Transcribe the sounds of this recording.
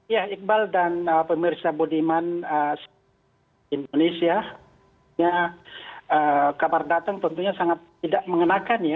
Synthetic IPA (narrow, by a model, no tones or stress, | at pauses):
ijahik̚baldanəpəmirsabodimanəs | indonesia | ɲa | əkabardat̪aŋt̪ɔnt̪uɲasaŋat̪ːidaʔməŋənakanja